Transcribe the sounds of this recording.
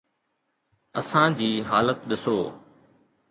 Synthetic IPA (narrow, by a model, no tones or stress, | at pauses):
əsãːd͡ʑiːɦaːlət̪ɗɪsoː